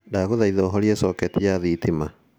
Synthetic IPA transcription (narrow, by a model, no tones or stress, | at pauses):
daɣoðaiðɔːɦɔɾiɛsɔkɛtijaðitima